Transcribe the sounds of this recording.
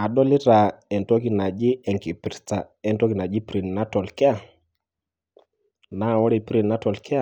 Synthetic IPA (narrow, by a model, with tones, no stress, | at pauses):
a˨ɗɔ˦li˦ɾa˨ɛ˨ntɔ˦ki˨na˨d͡ʒɪ˦ɛ˨ŋki˨pɾi˦sta˨ | ɛ˨ntɔ˦ki˨na˨d͡ʒi˦pɾi˨nna˦tɔ˨lkɛ˦a˦ | na˦˨wɔ˦ɾi˨pɾi˨nna˦tɔ˨lkɛ˦a˦˨